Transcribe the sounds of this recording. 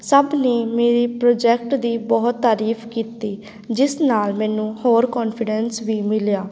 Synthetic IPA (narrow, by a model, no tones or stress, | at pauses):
səbneːmeːɾiːpɾoːd͡ʒɛːk̚ʈd̪iːbɔːt̪ːaːɾiːfʰkiːt̪iː | d͡ʒɪsnaːlmɛ̃ːnũːhoːɾkɔːnpʰɪɖɛnsʋiːmɪljaː